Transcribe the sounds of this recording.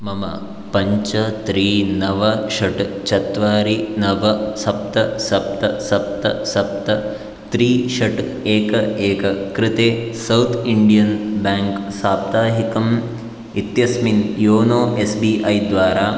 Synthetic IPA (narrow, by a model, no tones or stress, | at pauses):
mɐmɐ̰ | pɐɲt͡ʃɐt̪ɾiːnɐʋɐʃɐʈt͡ʃɐt̪ʋaːɾinɐʋɐsɐp̚t̪ɐsɐp̚t̪ɐsɐp̚t̪ɐ̰sɐp̚t̪ɐ | t̪ɾiːʃɐʈeːkɐeːkɐkɾɪt̪eːsɐwt̪ʰiɳɖijɐnbaːŋksaːp̚t̪aːɦikɐm | it̪jɐsminjoːnoːʔesbiːʔɐjd̪ʋaːɾaː